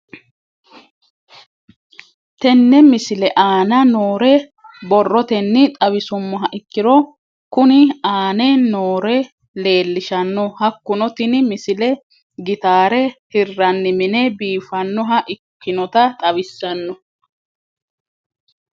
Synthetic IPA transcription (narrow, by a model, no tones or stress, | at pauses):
t̪ɛnːɛmɪsɪlɛʔaːnɐnoːɾɛ | bɔrːɔt̪ɛnːɪt̪ʼɐβɪsʊmːɔɦɐʔɪkːɪɾɔ | kʊnɪaːnɛnoːɾɛ | le̞ːlːɪʃɐnːɔhɐkːʊnɔt̪ɪnɪmɪsɪlɛ | ɡɪt̪aːɾɛhɪrːɐnːɪmɪnɛbiːfɐnːɔɦɐʔɪkːɪnɔt̪ɐt̪ʼɐβɪsːɐnːɔ